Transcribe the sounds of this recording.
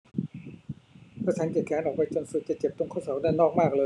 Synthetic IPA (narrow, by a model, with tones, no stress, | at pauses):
kʰa˧˩t͡ɕʰaː˨˦nkeː˨˩t̪̚kʰaː˨˦nʔɔː˨˩k̚pa˧jt͡ɕo˧nsu˨˩t͡ɕa˨˩t͡ɕe˨˩p̚t̪o˧ŋkʰa˥˩wsɔː˩˦k̚daː˥˩jnɔː˥˩k̚maː˥˩k̚lɤː˧